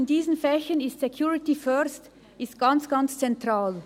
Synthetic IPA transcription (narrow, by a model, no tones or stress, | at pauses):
ɪndiːzən̩fɛçənɪstsekʰjuːʁɪtifœst | ɪstɡ̥ant͡sɡ̥ant͡st͡sɛntʁ̥aːl